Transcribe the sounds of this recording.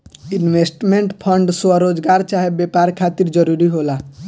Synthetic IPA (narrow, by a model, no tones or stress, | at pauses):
inʋesʈmeɳʈpʰəɳɖswəɾod͡ʒɡaɾt͡ʃaɦebepaɾkʰat̪iɾd͡ʒəɾuɾiɦola